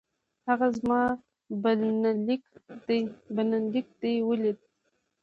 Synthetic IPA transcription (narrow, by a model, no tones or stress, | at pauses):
haɣazmɑ | bnlikd̪bənalik̚d̪ejwəled̪̚